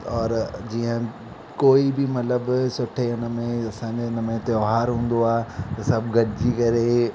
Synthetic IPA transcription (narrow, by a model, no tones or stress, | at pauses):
ɔːɾd͡ʑiːə̃ | koːibɪmɐt̪ləbsʊʈʰeʊn̆mẽɐsãːɲd͡ʑeʊnəmẽt̪ɪoːɦaːɾɦũːn̆d̪oaːɦet̪ɐsɐbʱɡʱɐɖɪd͡ʑiːkɐɾe